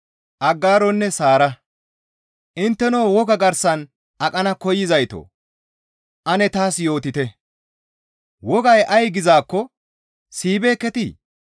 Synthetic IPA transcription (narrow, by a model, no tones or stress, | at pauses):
ʔɐɡːaːɾɔnːɛsaːɾɐ | ʔɪnt̪ːɛnoːwɔɡɐɡɐɾsɐn | ʔɐkʼɐnɐkɔjɪzɐjt̪o̰ː | ʔɐnɛt̪aːsjo̞ːt̪ɪt̪ɛ | wɔɡɐjʔɐjɡɪzaːkːɔ | siːbeːkːɛt̪iː